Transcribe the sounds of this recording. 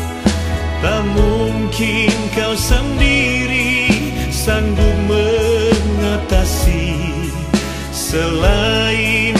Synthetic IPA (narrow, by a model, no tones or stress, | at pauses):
t̪amuŋkinkawsəndiɾi | sanduməŋat̪asi | səlain